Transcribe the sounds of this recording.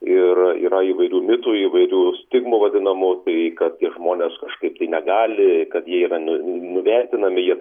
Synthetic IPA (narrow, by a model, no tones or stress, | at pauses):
ɪrḭːɾɐiːʋɐɪɾʲuːmʲɪt̪uːiːʋɐɪɾʲuːsʲt̪ʲɪɡmʊʋɐd̪ʲɪnɐmʊt̪ɐɪkɐt̪̚tʲiɛʒmoːnʲeːskɐʃkɐɪp̚t̪ɐɪnʲɛɡɑːlʲɪkɐt̪jiɛiːɾɐnʲʊnʲʊʋʲɛrʲt̪ʲɪnɐmʲɪjiɛ